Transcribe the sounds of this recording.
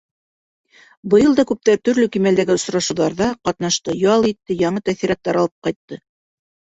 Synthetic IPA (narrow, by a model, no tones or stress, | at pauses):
bɤ̆jɤlˠd̪ɑkʉp̚t̪æt̪ɵ̆ɾlɵkimæld̪æɡɘŏsɾɑʃŭwðɑɾðɑqɑt̪nɑʃt̪ɤjɑlˠit̪ːɘjɑɴɤt̪æθiɾɑt̪ːɑɾɑlˠɤp̚qɑjt̪ːɤ